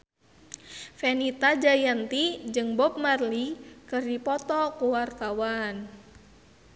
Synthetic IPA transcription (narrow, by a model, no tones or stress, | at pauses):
fɛnit̪ad͡ʒajant̪id͡ʒɨŋbɔp̚marlikɨrdipɔt̪ɔkuwark̪awan